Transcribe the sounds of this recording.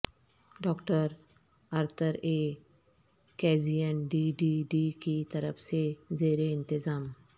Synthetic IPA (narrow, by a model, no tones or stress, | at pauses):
ɖɔːkʈəɾ | əɾt̪ʰəɾe | kɛːd͡ʒijənɖiɖiɖikit̪əɾəpʰsezeːɾeɪnt̪ɪzaːm